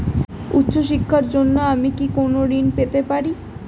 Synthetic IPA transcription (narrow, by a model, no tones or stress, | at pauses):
ṵt̪ːɕoʃikʰːaɾd͡ʑonːoamikikonoɾinpet̪epaɾi